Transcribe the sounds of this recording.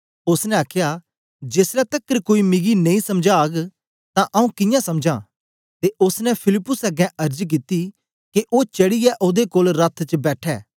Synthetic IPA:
ʊsnɛ̃aːkʰja | d͡ʒeːsɾɛt̪ɐkːəɾkoːimɪɡinɐ̃ĩsɐmd͡ʒaːɡ | t̪ãʔɐũkɪjãsɐmd͡ʒã̰ː | t̪eʔʊsnɛ̃pʰɪlɪpːʊsɐɡɛ̃ʔɐɾd͡ʒk̬it̪i | keʔoːt͡ʃɐɽɪjɛʔoːd̪ekoːlɾɐt̪ʰt͡ʃbɛːʈʰɛː

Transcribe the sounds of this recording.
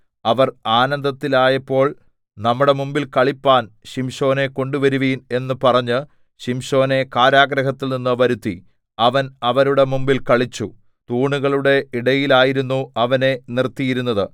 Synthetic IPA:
ɐʋɐraːnɐnd̪ɐt̪ːilaːjɐpːo̞ːɭ | nɐmːuɽe̞mumbilkɐɭipːaːnɕimɕo̞ːne̞ko̞ɳɖuʋɐɾuʋiːne̞nːɨpɐrɐɲːɨ | ɕimɕo̞ːne̞kaːɾaːɡɾɐɦɐt̪ːilninːɨʋɐɾut̪ːi | ɐʋɐnɐʋɐɾuɽe̞mumbilkɐɭit͡ɕːu | t̪uːɳuɣɐɭuɽe̞iɽɐjilaːjiɾunːuɐʋɐne̞nirt̪ːijiɾunːɐðɨ

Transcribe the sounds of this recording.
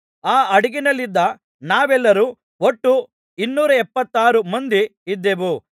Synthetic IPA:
aːɐɽiɡinɐlːid̪ːɐ | naːʋɛlːɐɾuː | oʈːu | inːuːɾɐɛpːɐt̪ːaːɾumɐnd̪iid̪ːeʋu

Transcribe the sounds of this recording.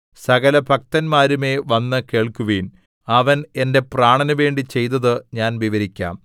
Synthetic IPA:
sɐɣɐlɐbʱɐk̚t̪ɐnmaːɾume̞ːʋɐnːɨke̞ːɭkuʋiːn | ɐʋɐne̞nde̞praːɳɐnuʋe̞ːɳɖit͡ɕe̞jt̪ːɐðɨɲaːnʋiʋɐɾikʲːa̰ːm

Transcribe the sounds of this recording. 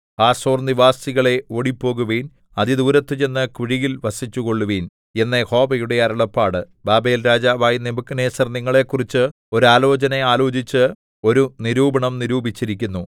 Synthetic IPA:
aːsoːrniʋaːsiɣɐɭe̞oːɽipːo̞ːɣuʋiːn | ɐðid̪uːɾɐt̪ːɨt͡ɕe̞nːɨkiɻiɣilʋɐsit͡ɕːuɣo̞ɭːuʋiːn | e̞nːeho̞ːbɐjuɽe̞ɐɾɐɭɐpːaːɽɨ | baːbeːlɾaːd͡ʑaʋaːjinebukːɐneːsɐrniŋːɐɭe̞kːurit͡ɕːɨ | o̞ɾuaːlo̞ːt͡ɕɐneaːlo̞ːd͡ʑit͡ɕːɨ | o̞ɾuniɾuːbɐɳɐmniɾuːbit͡ɕːiɾikʲːunːu

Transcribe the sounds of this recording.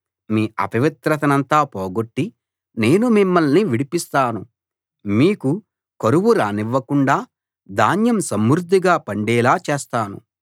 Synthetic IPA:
miːɐ̰pɐʋit̪ɾɐt̪ɐnɐnt̪aːpɔːɡoʈːi | ne̞ːnumimːɐlniʋiɽipist̪aːnu | miːku | kɐɾuʋuɾaːniʋːɐkuɳɖaː | d̪aːnjɐmsɐmːuɾud̪ʱːiɡaːpɐɳɖɛːlaːt͡ʃeːst̪aːnṵ

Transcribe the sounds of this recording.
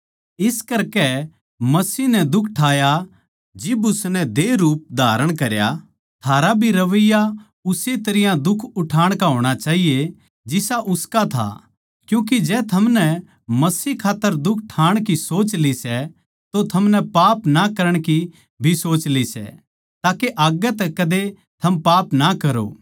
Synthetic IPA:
ɪskɐɾkɛ | mɐsiːɦnɛd̪ʊkʰʈʰaːja | d͡ʒɪbʊsnɛ̃d̪eːɾuːp̚d̪ʱaːɾəɽ̃kɐɾja̰ | t̪ʰaːɾabʱiɾɐʋəjːa | ʊset̪ɐɾɪjãd̪ʊkʰʊʈʰaːɽ̃kaɦoːɽ̃at͡ʃaːɦije | d͡ʒɪsaʔʊskat̪ʰa̰ | kjũːk̬id͡ʒɛːt̪ʰɐmnɛ | mɐsiːkʰaːt̪ːəɾd̪ʊkʰʈʰaːɽ̃kisoːt͡ʃlisɛ | t̪ot̪ʰɐmnɛpaːpnakɐɾəɽ̃ki | bʱisoːt͡ʃlisɛ̰ | t̪aːkeʔaːɡɛt̪ɛkɐd̪e | t̪ʰɐmpaːpnakɐɾo̰ː

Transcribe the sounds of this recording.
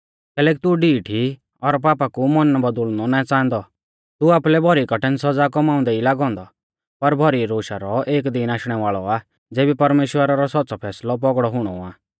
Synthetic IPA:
kɛːlɛːk̬it̪uɖiːʈʰi | ɔɾp̬aːpakumɔnːbɐd̪ʊɭnɔnaɛ̃t͡sãːnd̪ɔ | t̪uaːplɛbʱɔɾikɐʈɛ̃nsɐd͡zakɔmaːʊ̃nd̪ɛilaːɡɔ̃ːnd̪ɔ | pɐɾbʱɔɾiɾoːʃa̰ɾɔʔeːkd̪ɪnaːʃɽ̃ɛʋaːɭɔa | d͡zeːbipɐɾmeːʃwəɾaɾɔsɔt̪ːt͡sɔpʰɛːslɔbɔɡɽɔɦʊɽ̃ɔ̰aː

